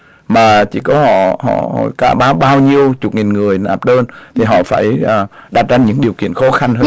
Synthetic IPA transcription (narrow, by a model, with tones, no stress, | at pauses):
maː˨˩t͡ɕḭ˧˩kɔ˨˦hɔ̰˧˨hɔ̰˧˨˧ka̰ː˧˩ɓaː˨˦wɓaː˧wɲi˧əwt͡ɕʊ˨˩k͡p̚ŋi˨˩nŋɨ˨˩əjɗaː˨˩p̚ɗəː˧nt̪ʰi˨˩ɦɔ̰˧˨faː˧˩jː | ɗa˨˩t̚t͡ɕa˧ŋɲɨ̰˧˥ŋɗi˨˩əwkḭ˧˨ənxɔ˨˦xa˧ŋɦə˧˦